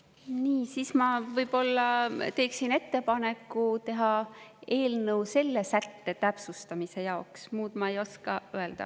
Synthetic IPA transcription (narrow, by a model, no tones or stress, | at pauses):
niːsiːsmɑvɤjb̥o̞lːɑt̪e̞ːksine̞t̪ːe̞pɑne̞kːˑut̪e̞ɦɑe̞ːlnɤwse̞lːe̞sæt̪ːe̞t̪æpsust̪ɑmise̞jɑoksmuːd̪̥mɑe̞jo̞skɑøe̞ld̪̥ɑ̰